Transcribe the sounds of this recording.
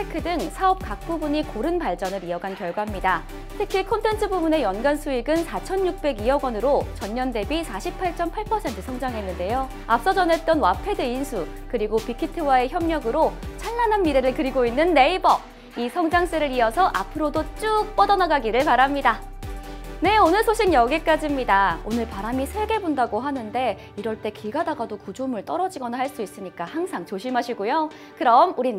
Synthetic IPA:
tʰekʰɯdɯŋsʰaʌp̚k͈ak̚k͈ubuɲikoɾɯnpaɭt͡ɕ͈ʌnɯɾiʌɡankjʌɭɡwamɲida | tʰɯkʰikʰontʰe̞ntʰɯbubune̞jʌnɡansʰuiɡɯnsʰat͡ɕʰʌnjuk̚p͈e̞ɡiʌɡwʌnɯɾot͡ɕʌɲːʌnde̞bisʰaɕʰip̚pʰaɭt͡ɕ͈ʌmpʰaɭpʰʌsʰe̞ntʰɯ̥sʰʌŋd͡ʑaŋɦe̞nːɯnde̞jo | ap̚s͈ʌd͡ʑʌne̞t̚t͈ʌnwapʰe̞dɯinsʰu | kɯɾiɡopikʰitʰɯwae̞çjʌmɲʌɡɯɾot͡ɕʰanːananmiɾeɾɯɭkɯɾiɡoinːɯnːe̞ibʌ | isʰʌŋd͡ʑaŋs͈ɯɾɯɾiʌsʰʌʔapʰɯɾodot͡ɕ͈uk̚p͈ʌdʌnaɡaɡiɾɯɭpaɾamɲida | ne̞onɯɭsʰoɕʰiŋɲʌɡek͈ad͡ʑimɲidaonɯɭpaɾamisʰeɭɡe̞bondaɡoɦanɯnde̞ | iɾʌɭt͈e̞kiɡadaɡadokud͡ʑumɯɭt͈ʌɾʌd͡ʑiɡʌnahaɭs͈uis͈ɯmɲik͈ahaŋsʰaŋt͡ɕoɕʰimɦaɕʰiɡujo | kɯɾʌmuɾi

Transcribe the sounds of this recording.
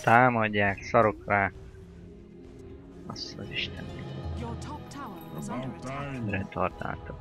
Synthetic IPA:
t̪aːmɒɟːaːksɒɾo̞kraː | ɒst̪ɒziʃt̪ʰɛnɛ | ɾɛt̪ʰɒrt̪a̰ːlt̪ok

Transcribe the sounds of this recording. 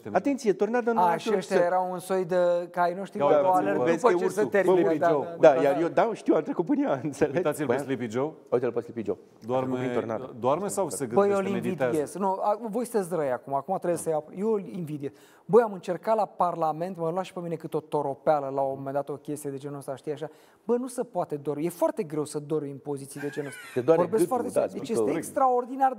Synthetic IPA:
at̪ent̪sijet̪ornad̪ənaʃt͡ʃeʃt̪jajeɾawunso̞jd̪əkajnoʃt̪iaoleespəet͡ʃeusət̪eɾiid̪aod̪ajaɾjed̪aʃt̪iwant̪ɾekupɨnijaɨnt̪selet̪asibslipid͡ʒow | awit̪elposʲlipid͡ʒo̰w | d̪oaɾmit̪orna̰d̪d̪oaɾmesawsəɡbəjolivid̪esknuavojsɨ̥t̪es̬ɾəjakumaːkumat̪ɾe̞besəjawjelinvid̪ies | bəjamɨnt͡ʃe̞rkalaparlame̞nt̪məlwaʃi̥pemine̞kɨt̪o̞t̪o̞ɾo̞pealəlawome̞nd̪at̪o̞kʲe̞st̪ijed̪e̞d͡ʒe̞noəst̪aʃt̪ijaʃa | bənusəpoat̪ed̪oɾje̞foart̪e̞ɡɾe̞wsəd̪o̞ɾimpo̞zit̪sid̪e̞d͡ʒenoost̪aedoaɾvoɾbesfoart̪ed̪et͡ʃjest̪eekst̪ɾaord̪inar

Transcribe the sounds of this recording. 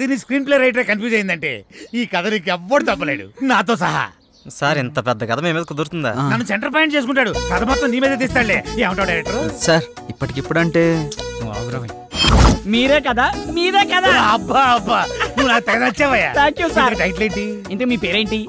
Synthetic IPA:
d̪iːniskɾiːnp̬leːɾɐjʈɐɾekɐnfjuːd͡ʒeːjind̪ɐɳʈe̞̰ːiːkɐd̪ɐlikɛʋːɐɽut̪ɐp̬ːɐleːɽṵnaːt̪̬o̞ːs̬ɐɦɐ̰ | sɐɾint̪ɐpɛd̪ːɐkɐd̪ɐmeːmeːd̪ɐkud̪uɾt̪und̪a̰nɐnːuseɳʈɐɾp̬lajeɳʈt͡ʃeːs̬ukuɳʈːaːɽusɐd̪ɐmaːt̪ːɾɐmniːmeːd̪eːd̪iːst̪aːɽleiːɐwɳʈɐːɖɐjɾɛk̚ʈɐɾsɐɾ | ipːɐʈikipːuɽɐɳʈe̞ːnuɐ̰ːɐɡɾɐʋɐj | miːɾeːkɐd̪aːmiːɾeːkɐd̪aːaɐbːaɐbːanuʋːunaːkut̪ɛɡɐd̪ɐɐt͡ʃːɛːʋɐjːa̰ːt̪ʰaːŋkjuːsaːɾɐkɐʈɐjʈleːɳʈiind̪ɐkemiːpeːɾeːɳʈi

